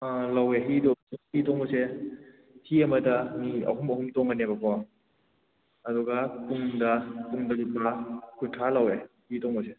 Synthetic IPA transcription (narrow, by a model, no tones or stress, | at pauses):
alɐweɦidɔshitɔŋbɔse | hiɐmɐdɐmiɐ̰ɦumɐhumtɔŋɐnebɐkʰɔ | ɐduɡapuŋdɐpuŋdɐlupakʰutʰalɐwe | hitɔŋbɔse